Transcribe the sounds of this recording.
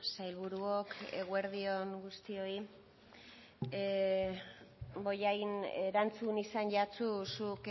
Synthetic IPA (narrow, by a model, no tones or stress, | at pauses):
sajlβuɾuokʰeɣwe̞ɾðio̞ŋɡust̪io̞i | bo̞jajneɾant͡sunisanʝat͡susuk